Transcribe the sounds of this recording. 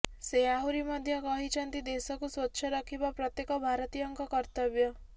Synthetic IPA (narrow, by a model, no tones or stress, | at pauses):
seaɦuɾimɔd̪ʱjɔkɔɦit͡ʃʰɔnt̪id̪esɔkuswotːʃʰɔɾɔkʰibapɾɔt̪jekɔbʱaɾɔt̪ijɔŋkɔkɔɾt̪ɔbjɔ